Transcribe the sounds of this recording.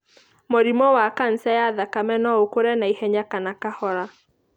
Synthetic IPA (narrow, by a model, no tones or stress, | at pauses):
moɾimɔwakan̩sajaðakamɛnɔokoɾɛnaihɛɲakanakahɔɾa